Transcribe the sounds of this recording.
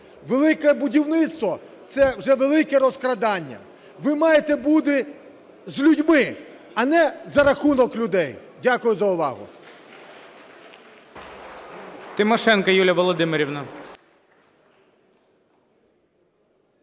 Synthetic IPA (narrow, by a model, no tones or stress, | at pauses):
ʋelˠɪkɛbʊdʲiwnɪt̪st̪ʋɔt̪sɛwʒɛʋelˠɪkɛɾɔskɾɐd̪ɑnʲːɐ̰ | ʋɪmɑjet̪ɛbud̪ɪ | zlʲudʲmɪ | ɐnɛzɐɾɐxunɔklʲʊd̪ɛj | dʲakʊjʊzɐʊʋɑ̰ɦʊ̰ | t̪ɪmɔʃɛnkɐjulʲjɐʋɔlˠɔd̪ɪmeɾʲiwnɐ